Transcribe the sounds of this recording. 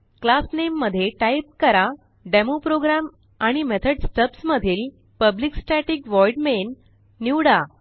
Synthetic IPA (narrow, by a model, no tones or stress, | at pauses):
klasnemːəd̪ʱːjeʈajp̚kəɾa | ɖemopɾoɡɾam | aɽ̃imet̪ʰəɽsʈ̪əpsməd̪ʱiːl | pəbliksʈaʈikʋɔjɖmenː | iwɽa